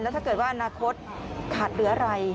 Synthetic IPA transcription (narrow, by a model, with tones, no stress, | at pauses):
lɛː˦˥t̪ʰaː˥˩kɤː˨˩t̪̚waː˥˩ʔa˧naː˧kʰo˦˥t̪̚ | kʰaː˨˩t̪̚ɾɯ˩˦ɐɾa˧j